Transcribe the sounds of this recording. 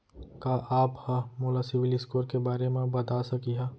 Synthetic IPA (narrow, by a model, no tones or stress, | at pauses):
kaːʔaːphamoːlasɪʋɪlɪskoːɾkebaːɾemẽbɐd̪asɐkiɦaː